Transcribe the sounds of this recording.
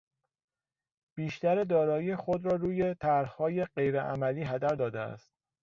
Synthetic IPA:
b̥iːʃt̪æɾed̪ɒːɾɒːjiexod̪ɾɒːɾuːje̞t̪ʰæɾhhɒːje̞ɢe̞jɾeʔæ̰mæliːɦæd̪æɾd̪ɒːd̪eæ̰st̪̚

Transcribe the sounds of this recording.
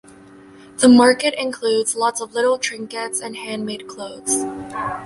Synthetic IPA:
ðəmɑɹkɨɾɪ̃nkʰl̥ʉdzlɔtsʌvlɪɾl̩ˠtʰɹ̥ɪ̃ŋkɨtsɨ̃nhæ̃nmeɪd̚kʰl̥oʊðz̥

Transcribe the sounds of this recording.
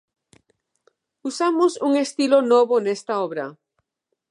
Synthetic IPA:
usamosuŋest̪ilonɔβonest̪aɔβɾa

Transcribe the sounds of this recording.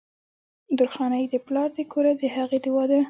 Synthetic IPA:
d̪ʊɾxɑnajd̪əplɑɾd̪əkʰoɾad̪əhaɣed̪ɪwɑd̪a

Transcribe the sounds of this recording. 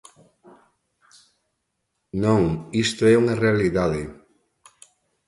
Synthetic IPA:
nõŋist̪oɛuŋarealiðaðɪ

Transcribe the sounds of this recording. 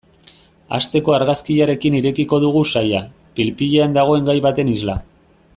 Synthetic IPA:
a̰st̪e̞ko̞aɾɣaskiʎaɾe̞kiniɾe̞kiko̞ð̞uɣ̞usaja | pilpiʎeand̪aɣ̞o̞e̞ŋɡajβat̪e̞nizla

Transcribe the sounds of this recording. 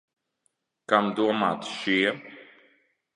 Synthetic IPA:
kamd̪uma̰t̪ʃi

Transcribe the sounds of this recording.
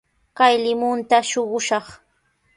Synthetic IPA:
kajlɪmʊnt̪aʃoɢʊʃɑχ

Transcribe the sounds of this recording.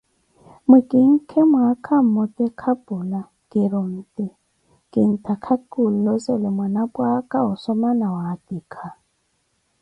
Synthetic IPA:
mʊkʼɪŋ̩kʰemwakʰam̩mʊtʼɛkʰapʼʊla | kʼɪɾʊn̩tʼɪ | kʼɪn̩tʰakʰakʼul̩lɔsɔlɪmwanapʼwakʼaʊsɔmanawatʼikʰa

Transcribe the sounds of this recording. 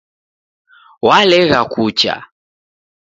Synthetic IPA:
walɛɣakut͡ʃa̰

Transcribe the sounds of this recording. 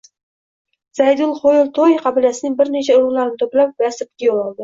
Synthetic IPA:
z̥ajd̪ʊlˠχojɪlˠt̪ʰojqʰɑbɪlijasɪnɪŋbɪɾnet͡ʃʰaʊɾʁlˠaɾɪnɪt̪ʰɵplap̚basɪp̚ɡʲɪjolˠɒlˠd̪ɪ

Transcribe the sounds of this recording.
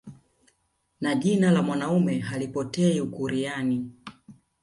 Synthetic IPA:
naʄinalamwanaumɛɦalipɔtɛiukuɾiani

